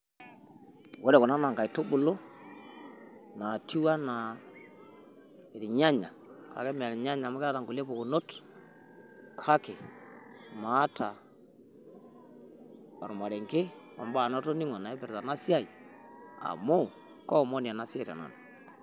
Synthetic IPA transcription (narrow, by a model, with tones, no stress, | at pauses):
wo˦ɾɛ˨kɔ˨na˦na˨ŋka˨i˨to˦bʊ˨lo˦ | na˨tʰi˦wa˦na˨ | e˨ɾi˨ɲa˦ɲa˨kʰa̰˨kɛ˦m˨a˨ɾɲa˦ɲa˨ma˦ɛ˦a˦ta˨ŋɡu˨le˦po˨ku˨no˦t | kʰa˦ke˨ | ma˨˦tʰa˨ | a˨ɾʊ˨ma˨ɾe˨ŋke˦ | a˨mba˦˨nɔ˦to˦ni˦ŋa˨na˨ɛ˦pɛ˨ɾta˨na˦si˦a˦˨i˨ | a̰˨mo˦ | kɔ˦˨mɔ˦ni˨a˨na˦si˦a˦ɾa̰˨na̰˨na˨